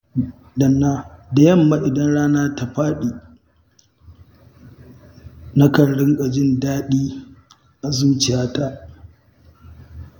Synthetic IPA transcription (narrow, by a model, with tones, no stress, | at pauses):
dɐ˨nːaː˦da˨jɐ˦˨mːa˦ʔɪ˨dɐ˦nɽaː˦naː˦ta˨ɸaː˦ɗiː˨ | na˦kɐ˨ɽɽɪ˦ŋkʼa˨d͡ʒɪ˦ndaː˦ɗiː˦ | ʔa˨zuː˦t͡ʃɪ˨jaː˦ta˦ʔ